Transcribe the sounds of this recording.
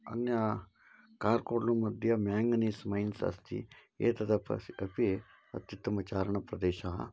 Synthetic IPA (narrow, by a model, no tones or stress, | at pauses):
ɐ̰nja | kaːɾkoːɾnumɐd̪ʱjɐmjaːŋɡnismɐinsɐ̰st̪ḭḛːt̪ɐd̪apɐ̰ɐpi | ɐ̰t̪jit̪ːɐmɐt͡ʃaːɾəɳɐpɾɐd̪eːʃa̰ː